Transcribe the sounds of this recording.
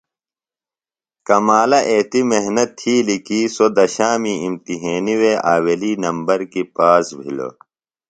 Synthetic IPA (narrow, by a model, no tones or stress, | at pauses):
kɐmaːlɐʔeːt̪imeɦnɐt̪ʰːiːlikiːsod̪ɐɕaːmiimt̪iɦeːniweʔaːweliːnɐmbɐɾkipaːsbʱḭlo̰